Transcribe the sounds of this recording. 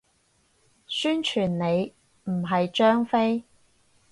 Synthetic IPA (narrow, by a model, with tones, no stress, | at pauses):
syː˥nt͡ʃʰyː˨˩nne˨˧j | m̩˨˩ɦɐ˨jt͡ʃœː˥ŋfe˥j